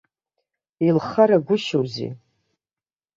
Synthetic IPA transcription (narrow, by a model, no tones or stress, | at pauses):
ilχaɾaɡʷʊʃowzḭ